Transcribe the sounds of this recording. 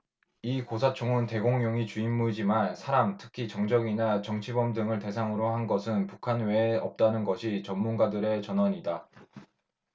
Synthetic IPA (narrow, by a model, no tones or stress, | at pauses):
ikosʰat͡ɕʰoŋunte̞ɡoŋjoŋit͡ɕuimːud͡ʑimansʰaɾamtʰɯ̥kʰit͡ɕʌŋd͡ʑʌɡinat͡ɕʌŋt͡ɕʰibʌmdɯŋɯɭte̞sʰaŋɯɾohanɡʌsʰɯnpukʰanwe̞ːʌp̚t͈anɯnɡʌɕʰit͡ɕʌmːunɡadɯɾe̞t͡ɕʌnɦwaɲida